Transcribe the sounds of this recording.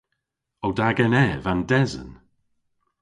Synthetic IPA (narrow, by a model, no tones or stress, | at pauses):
owdaɡɛnɛvandɛzə̰n